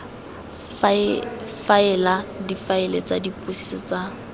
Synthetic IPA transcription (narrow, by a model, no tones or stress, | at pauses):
faɪladifaɪlet͡sʼadipʼusi̥sɔt͡sʼa